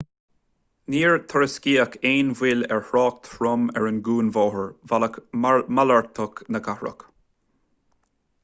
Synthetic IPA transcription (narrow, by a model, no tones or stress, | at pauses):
niːɹt̪ʰəɹəskiːəkʰeːnvɪlɛ̰ɹhɹɑːk̚t̪ʰɹʊmɛ̰ɹənɡuːnvɔːɦəɹvaəkmalaɹt̪ʰəknəkʰahɹə̰k